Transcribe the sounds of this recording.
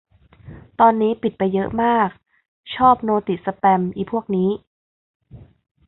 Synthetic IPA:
t̪ɔː˧nːiː˦˥pi˨˩t̪̚pa˧jːɤ˦˥ʔmaː˥˩k̚ | t͡ɕʰɔː˥˩p̚noː˧t̪i˨˩sa˧pɛ˧mʔiː˨˩pʰu˥˩ək̚niː˦˥

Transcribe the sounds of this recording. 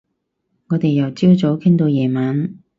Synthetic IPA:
ŋɔː˨˧t̪e˨jjɐ˨˩wt͡siː˥wt͡so˨˥wkʰɪ˥ŋt̪o˧wjɛː˨˩maː˨˧n

